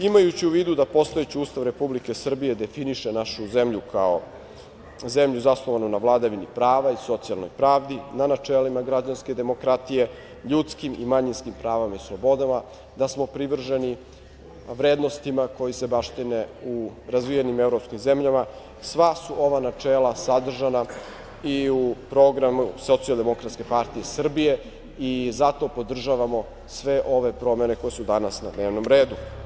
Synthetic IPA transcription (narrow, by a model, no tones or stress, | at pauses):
imajut͡ɕiuʋiːd̪ud̪apo̞st̪o̞et͡ɕiuːst̪aʋɾe̞publike̞sr̩bije̞d̪e̞finiʃenaʃuzemʎukʰao | ze̞mʎuzasnˠoʋanunaʋlˠad̪aʋinipɾaːʋaiso̞t̪sialˠno̰jpɾaːʋd̪inanat͡ʂelimaɡɾad͡ʑanske̞d̪e̞mokɾat̪ije̞ | ʎut̪skimḭmaɲinskimpɾaːʋamaislˠobo̞d̪ama | d̪asmo̞pɾiʋr̩ʒeni | ʋɾeːd̪no̞st̪imako̞jise̞baʃt̪ine̞uɾazʋijenimevɾopskimze̞mʎama | sʋasuʔo̞ʋanat͡ʃeːlˠasad̪r̩ʒana | iupɾo̞ɡɾamusot̪sialˠd̪e̞mo̞kɾat̪ske̞paɾt̪ije̞sr̩bije̞ | izat̪o̞po̞d̪r̩ʒaʋamo̞ | sʋe̞ʔo̞ʋe̞pɾo̞me̞ne̞ko̞jesud̪anasnad̪neːʋno̞mɾe̞ːd̪u